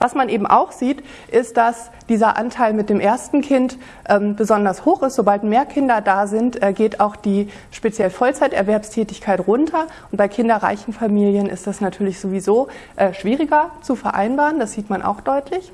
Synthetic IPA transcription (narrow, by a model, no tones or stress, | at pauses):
v̥asmanʔeːbm̩ʔa̰ʊxz̥iːt | ʔɪst̚d̥as | d̥iːzɐʔa̰ntʰaɪlmɪt̚d̥eːmʔeɐstn̩kʰɪnt | ʔɛːmb̥əzɔndɐshoːxɪstz̥obaltmeːɐkʰɪndɐdaːzɪntʔɛːɡeːtaʊxd̥iː | ʃpet͡sjɛlfɔlt͡saɪtʔɛ̰ɐvɛɐpstʰɛːtɪçkʰaɪtʁʊntʰɐ | ʊntb̥aɪkʰɪndɐʁa̰ɪçn̩famiːljənɪ̰std̥asnatʰyːɐlɪçz̥ovizoːʔɛːʃv̥iːʁɪɡɐt͡sufɛɐʔa̰ɪnbaːʁəndasz̥iːtmanʔa̰ʊxd̥ɔʏtʰlɪç